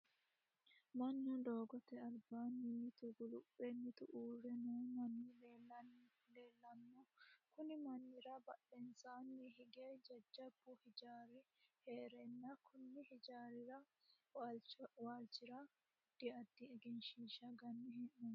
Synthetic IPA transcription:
mɐnːʊd̪oːɡɔt̪ɛɐlbaːnːiɪt̪ʊɡʊlʊpːɛnːɪt̪ʊʔuːɾɛnuːmɐni | leːlːɐnːɔkʊnɪmɐnːɪɾɐbɐɗɛnsaːnːɛhɪɡed͡ʒɐd͡ʒːɐbːʊhɪd͡ʒaːɾɪheːɾɛnːɐkʰʊnːɪhɪd͡ʒaːɾɪɾɐ | wlwaːlt͡ʃːɪɾɐ | d̪̥ɪɐd̪ːɪɛɡɛnʃiːʃɐɡɐnːɪhɛʔːɔ

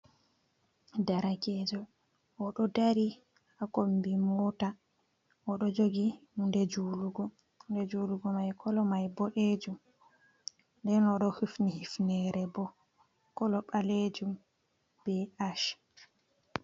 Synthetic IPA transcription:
daɾaɡɛd͡ʒɔ | ɔɗɔdaɾi | akombimɔta | ʔɔɗɔd͡ʒoɡihundɛd͡ʒuluɡɔ | ndɛd͡ʒuːluɡɔmajkʰɔlɔmajbɔɗed͡ʒum | ndɛnɔɗɔhufnihifnɛɾɛbɔ | kɔlɔɓaled͡ʒum | b̥ɛaʃ

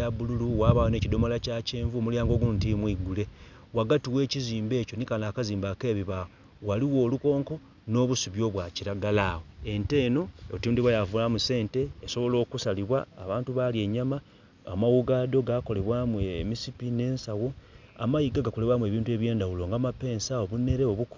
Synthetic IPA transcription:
aβululuwaːβawonecido̞molacaceːɱvuomuljaːŋɡo̞ːɡuntimwiɡule̞ | waɡatiwe̞ːciziːmbe̞ːco̞nikanaːkaziːmbake̞ːβiβawo | waliwo̞ːluko̞ːŋko̞ | no̞ːβusuβjo̞βwaciɾaɡalaːwoe̞nte̞ːno̞otuːndiβwajavulamuse̞ːnte̞ːso̞βo̞lo̞ːkusaliβwa̰ːβaːntuβalie̞ɲama | amawuɡaːdo̞ɡako̞le̞βwaːmuemisipine̞ːnsawo̞ | a̰majiɡaɡako̞leβwaːmue̞ːβiːntue̞ːβje̞ːndawulo̞ŋɡamape̞ːnsao̞βune̞ɾeo̞βuk

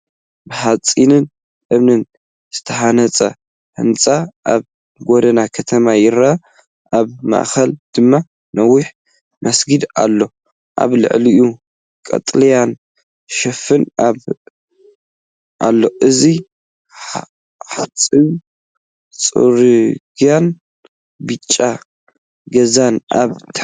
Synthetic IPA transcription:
bɨħat͡sʼinɨn | ʔɨβnɨn | z̥ɨ̥t̪ʰɐħanɐt͡sʼɐ̰ | hɨ̰nt͡sʼaʔaβ | ɡod̪ɐnakʰɐt̪ʰɐmajɪɾa | ʔaβma̰ʔxɐld̪̥ɨmːa | nɐwːiħ | mɐsɡɨd̪a̰lːo̞ | ʔa̰βlɨ̰ʕliʔu | kʼɐ̰t̪ʼlijan | ʃɐfɨnaβ | ʔalːo̞ʔɨzi | ħat͡sʼɨw | t͡sʼṵɾɨɡjan | bɨt͡ʃʼːa | ɡɐzanʔa̰βt̪ʰ

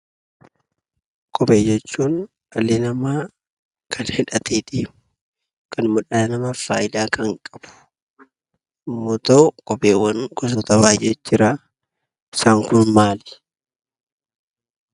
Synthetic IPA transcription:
kʼɔpeːd͡ʒɛt͡ʃːuːn | ɐlenɐmaː | kʰɐnhɪᶑɐt̪ʰeːt̪eːmʊ̥ | kɐnmʊᶑɐnɐmɐfaːjɪd̪aːkɐŋkʼɐb̥ʊ̥ | ɪmːoːt̪ɐʊkʼɔpʼeːwːɐŋɡɔs̬ɔt̪ɐbaːjʔɛt͡ʃːɪɾaː | saːŋkʊnmaːlɛ̥

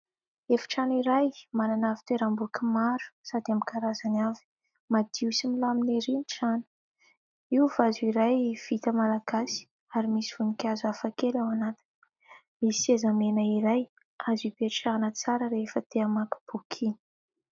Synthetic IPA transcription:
efi̥ʈ͡ʂaniɾajmananavi̥t̪eɾambukimaɾu̥sad̪iamikaɾazanavi̥ | mad̪̥iusimilamineɾiniʈ͡ʂanə̥ | iuvazuiɾajv̥it̪əmalaɡasi̥ | aɾimisiv̥unikʲazafakelawanat̪i̥n̥ | misezamenəiɾaj | azipeʈ͡ʂaanət͡saɾəɾefət̪eamaki̥b̥ukʰini̥

